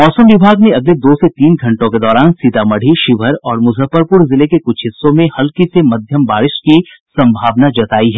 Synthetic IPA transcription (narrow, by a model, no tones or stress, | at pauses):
mɔːsəmʋɪbʱaːɡneɐɡled̪oːset̪iːnɡʱɐ̃ɳʈõked̪ɔːɾaːnsit̪aːmɐɽ̤ʱiʃɪʋəɾɔːɾmʊzʱəpəɾpʊɾzɪlekekʊt͡ʃʰɦɪsːõmẽhɐlkisemɐd̪ʱjəmbaːɾɪʃki | sɐ̃mbʱaːʋnad͡ʒɐt̪aːiɦɛː